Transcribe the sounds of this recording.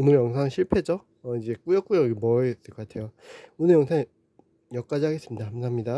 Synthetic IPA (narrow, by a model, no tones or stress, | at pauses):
onɯɾjʌŋsʰaŋɕʰiɭpʰed͡ʑo | ʌid͡ʑe̞k͈ujʌk͈ujʌɡmʌt͈ɯk͈ʌk͈atʰe̞joonɯjʌŋsʰaŋ | jʌk͈ad͡ʑihaɡe̞s͈ɯmɲidahamsʰaɦamɲida